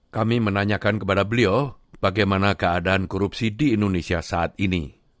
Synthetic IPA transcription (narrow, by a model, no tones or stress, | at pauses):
kamimənaɲakankəpadabəliob̥aɡajmanakəadaankɔɾup̚sidiːndonesiasaat̪̚inḭ